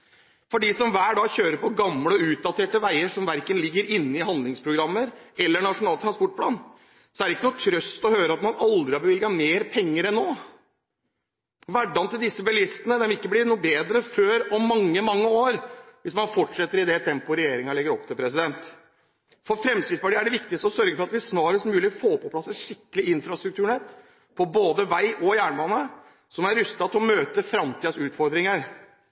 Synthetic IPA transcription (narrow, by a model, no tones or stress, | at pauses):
fɔɖisɔmʋæːɖɑːçøːɾəɾpʰɔɡɑmləɔʉːt̪̚d̪ɑt̪ʰeːʈəʋæɪəʂɔmʋæɾkənlɪɡːəɾɪnːəɪɦɑnd̪lɪŋspʰɾʊɡɾɑmːəɾɛlːəɳɑʂʊnɑːlt̪ɾɑnspɔʈ̚pʰlɑːn | sɔæɾɪkːənuːt̪ʰɾœst̪ɔhøːɾəɑt̪mɑnʔɑld̪ɾɪhɑbəʋɪlɡɑmeːɾpʰɛŋːəɾɛnːoː | ʋæɖɑnt̪ɪld̪ɪsːəbɛlɪst̪ənəd̪ɛnʋɪkːəblɪnuːbeːd̪ɾəføːɾɔmːɑŋːəmɑŋːəoːɾʋɪsmɑnfɔʈʂɛt̪ːəɾɪd̪ɛt̪ʰɛmpʊɾɛjeːɾɪŋɑlɪɡːəɾɔp̚ːt̪ʰɪlpʰɾɛsɪd̪ɛnt̪ | fɔɾfɾɛmst̪ɪːd̪spɑʈiːæɖɛʋɪkt̪ɪkst̪əɔsœɾɡəfɔɾɑt̪ʋɪæsnɑːɾəst̪mʉːlɪfoːpʰɔpʰlɑsəʂɪkːəlɪʔɪnfɾɑst̪ɾʉkt̪ʉːɳɛt̪ː | pʰɔboːd̪əʋæɪʔɔjæːɳbɑːnə | sɔmæɾʏst̪ɑt̪ɪɔmøːt̪əfɾɑmt̪ʰiːd̪sʉːt̪fɔɾd̪ɾɪŋəɾ